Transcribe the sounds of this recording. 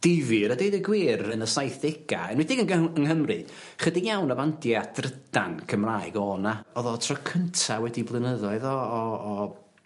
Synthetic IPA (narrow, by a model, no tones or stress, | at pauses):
d̥ɪvɨɾɔdejdəɡwiːrənəsajθɪɡ̥a̰ɛnwɪdɪɡənənhəmrɨ | χədijawnavandjad̥rəd̥ankʰəmraːɨɡɔːnaɔðɔtʰrɔkʰəntʰawɛdiblˠɪnəðɔɨðɔː